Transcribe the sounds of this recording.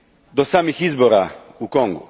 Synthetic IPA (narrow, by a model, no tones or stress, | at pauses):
d̪osaːmixizboɾa | ukoŋɡṵ